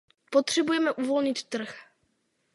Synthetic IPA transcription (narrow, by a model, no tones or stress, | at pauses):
pot̪r̝̥ɛbujɛmɛʔuvo̞lɲɪt̪ːr̩x